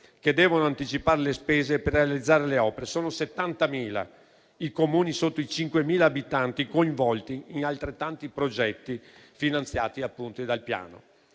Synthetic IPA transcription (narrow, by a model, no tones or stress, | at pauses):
ked̪ːɛːvonoant̪it͡ʃipaːɾelespeːzeperːealid̪zːaːɾeleɔːpeɾesoːnoset̪ːant̪amiːla̰ | ikomuːnisot̪ːoit͡ʃiŋkwemiːlaːbit̪ant̪ikoiɱvɔlt̪iːnalt̪ɾet̪ːant̪ipɾod͡ʒɛt̪ːifinant̪sja̰ːt̪iapːunt̪id̪alpja̰ːno̰